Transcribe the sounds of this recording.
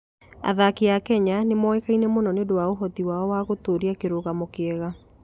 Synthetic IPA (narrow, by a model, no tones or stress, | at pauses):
a̰ðakeakɛɲanemɔekainɛmonɔneodowaoɦɔtiwaɔwaɣotoːɾiakeɾoɣamokeɛɣa